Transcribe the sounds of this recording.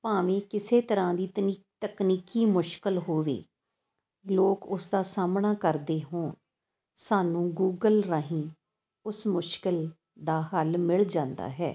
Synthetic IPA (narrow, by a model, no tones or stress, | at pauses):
paːʋẽːkɪseːt̪əɾãːd̪iːt̪i | t̪əkniːkiːmʊʃkəlɦoːʋḛː | loːkʊsd̪aːsaːmnaːkəɾd̪eːɦõː | saːnũːɡuːɡəlɾaɦĩː | ʊsmʊʃkɪl | d̪aːɦəlmɪɭd͡ʒãːnd̪a̰ːɦɛ̰ː